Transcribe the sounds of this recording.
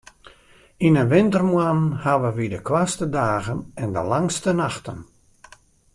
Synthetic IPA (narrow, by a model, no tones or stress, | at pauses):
inənʋɪntərmwanhaʋəʋidəkʰwastədaːɣənɛndə̰laŋstənaxtən